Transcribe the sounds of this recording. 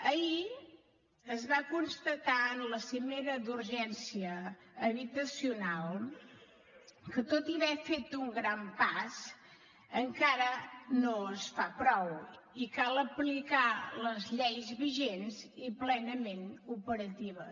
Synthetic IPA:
əi | əzβakunst̪ət̪aənləsimeɾəd̪uɾʒɛnsiəː | βit̪əsiunalˠ | kət̪ot̪iβɛfet̪uŋɡɾampas | əŋkaɾənosfapɾɔw | ikalˠəplikaləzʎɛjzβiʒenziplɛnəmenupəɾət̪iβ̞ə

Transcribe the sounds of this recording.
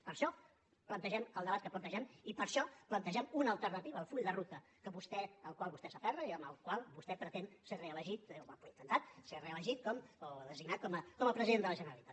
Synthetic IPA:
pəɾʃɔ | plənt̪əʒɛməlˠd̪əβat̪kəplənt̪əʒɛmipəɾʃɔplənt̪əʒɛmunəəlˠt̪ərnət̪iβəːlˠfuʎd̪ərut̪ə | kəβust̪ɛəlˠkwalˠβust̪ɛsəfɛrəiəməlˠkwalˠβust̪ɛpɾət̪ensereələʒit̪̚βapuint̪ənt̪at̪̚sereələʒit̪̚kɔmoðəziɡnat̪̚kɔməkɔməpɾəziðend̪ələʒənəɾəlit̪at̪̚

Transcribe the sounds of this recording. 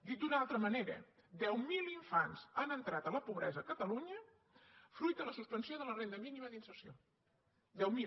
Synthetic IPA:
d̪it̪̚d̪unalˠt̪ɾəməneɾə̰d̪ɛwmilˠiɱfanz̥anənt̪ɾat̪ələpuβɾɛzəːkət̪əluɲə | fɾujt̪̚d̪ələsuspənsioðələrend̪əminiməðinsəsio | d̪ɛwmi

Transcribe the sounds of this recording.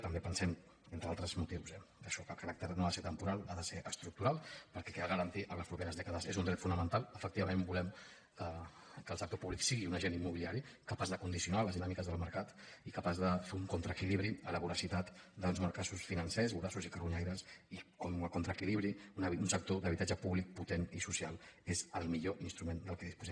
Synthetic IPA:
t̪əmbepənsɛm | ent̪ɾəalˠt̪ɾəzmut̪iwsɛkəʃɔkəkəɾak̚t̪əɾnoaðəseɾt̪əmpuɾalˠaðəseʔəst̪ɾuk̚t̪uɾalˠpəɾkɛkɛəɣəɾənt̪iʔələspɾupeɾəzðɛkəðəzezund̪ɾɛt̪funəmənt̪alˠəfək̚t̪iβəmẽmbulɛm | kə | kəlˠsək̚t̪opuβliksiɣiunəʒenimːuβiliaɾikəpazðəkund̪isijunaləzðinamikəzðəlˠməɾkat̪ikəpazðəfeuŋkunt̪ɾəkiliβɾiələβuɾəsit̪at̪d̪əonzməɾkasusfinənsɛzuɾasuzikərβuɲajɾəsikokunt̪ɾəkiliβ̞ɾiununsək̚t̪oðəβit̪ad͡ʒəpuβlik̚put̪enisusialˠezəlˠmiʎoʔinst̪ɾumend̪əlˠkɛðispuzɛ

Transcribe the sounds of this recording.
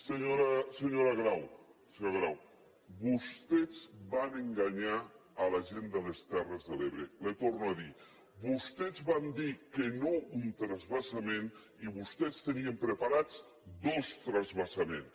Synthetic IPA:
seɲoɾasəɲoɾaɣɾawsɲoɣɾaw | bust̪ɛzβanəŋɡaɲaəlaʒend̪ələst̪ɛrəzðəleβɾelət̪ornuaði | bust̪ɛzβand̪ikənount̪ɾazβasamen | iβust̪ɛst̪əniəmpɾəpaɾat͡s | d̪ost̪ɾazβasamen

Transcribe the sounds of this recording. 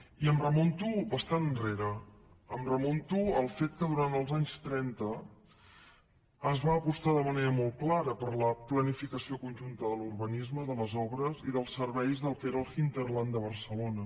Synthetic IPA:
iəmrəmont̪ubəst̪anreɾə | əmrəmɔnt̪uəlˠfet̪̚kəðuɾant̪əlˠzaɲst̪ɾɛnt̪ə | əzβaːpust̪aðəməneɾəmɔl̚ˠklaɾəpəɾləplənifikəsiokunʒunt̪əðəlurβənizməðələzɔβɾəziðəlˠsəɾβɛjzðəlˠkeɾəlˠxint̪ərland̪əβ̞ərsəlonə

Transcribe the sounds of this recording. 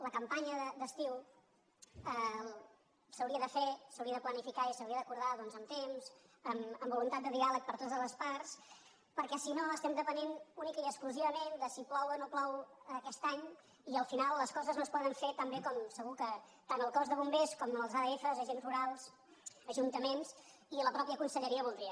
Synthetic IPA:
ləkəmpaɲəðəd̪əst̪iw | ə | səwɾiəðəfesəwɾiəðəplənifikaisəwɾiəðəkuɾðaðɔnzəmt̪emzəməmbulunt̪at̪̚d̪əðialək̚pəɾt̪ot̪əzləspars | pəɾkɛsinoəst̪ɛmd̪əpənenunikəiəkskluziβəmend̪əsiplɔwənoplɔwkɛst̪aɲ | iəlˠfinalˠːəskɔzəznospɔðəɱfet̪ambekɔmsəɣukə | t̪anəlˠkɔzðəβumbeskɔməlˠzaðəefəzəʒenzruɾalˠs | əʒunt̪əmens | iləpɾɔpjəkunsəʎəɾiəβulˠd̪ɾiə

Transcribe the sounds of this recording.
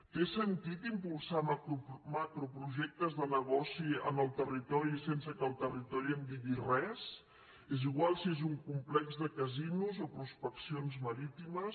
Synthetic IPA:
t̪esənt̪it̪impulˠsamakɾupɾuʒɛk̚t̪əzðənəɣ̞ɔsiə̰nəlˠt̪ərit̪ɔɾisensəkəlˠt̪ərit̪ɔɾiəmbiɣirɛs | eziɣwalˠsiezuŋkumplɛkzðəkəzinuzopɾuspəksionzməɾit̪iməs

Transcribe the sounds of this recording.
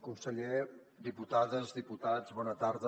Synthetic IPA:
kunsəʎe | d̪iput̪aðəzdiput̪ad͡zβɔnət̪aɾðə

